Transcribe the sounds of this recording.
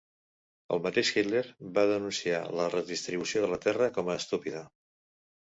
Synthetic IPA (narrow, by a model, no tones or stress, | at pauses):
ə̰lˠmət̪eʃxit̪leɾβaðənunsia̰lərəðist̪ɾiβusioðələt̪ɛrəkɔməːst̪upiðə